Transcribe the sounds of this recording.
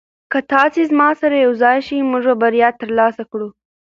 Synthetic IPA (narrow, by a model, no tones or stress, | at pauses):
kat̪ɑsezmɑsaɾajawzɑjʃimʊʐabaɾijɑt̪ːəɾlɑsakɽu